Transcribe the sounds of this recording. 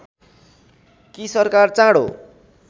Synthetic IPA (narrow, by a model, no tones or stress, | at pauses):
kisʌrkart͡sãɽo̰